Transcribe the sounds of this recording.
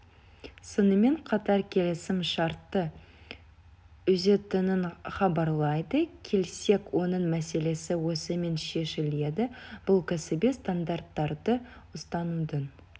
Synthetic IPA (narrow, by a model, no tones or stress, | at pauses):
sonəme̞ɴqʰɑt̪ɑɾkʲʰe̞lɪsɪmʃɑɾt̪ːə | ʏze̞t̪ɪnɪnχɑbɑɾlˠɑjd̪əkʲʰe̞lse̞kwo̞nəɴmæse̞le̞sɪwosəme̞nʃe̞ʃɪle̞d̪ɪb̥ʊlˠkʰɑsɪbist̪and̪art̪ːɑɾd̪əʊst̪ɑnud̪ən